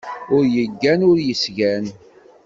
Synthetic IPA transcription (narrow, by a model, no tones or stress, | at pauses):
ʊɾjəɡːænʊɾjəsʝæn